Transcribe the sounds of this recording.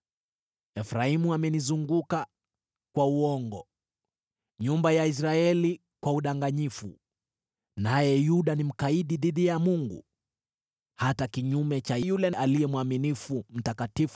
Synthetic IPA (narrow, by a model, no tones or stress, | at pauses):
ɛfɾaimuamɛnizuŋɡuka | kwauɔŋɡɔ | ɲumbajais̬ɾaɛli | kwauɗaŋɡaɲifṵ | najɛjuɗanim̩kaiɗiðiðijamuŋɡṵ | hatakiɲumɛt͡ʃajjulɛʔalijɛmwaminifum̩takatif